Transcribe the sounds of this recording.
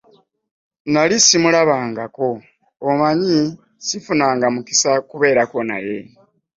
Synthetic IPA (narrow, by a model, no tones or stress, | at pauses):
nalisimulaβaːŋɡako̞ː | maɲi | sifunaːŋɡamuki̥sakuβe̞ːɾako̞na̰je̞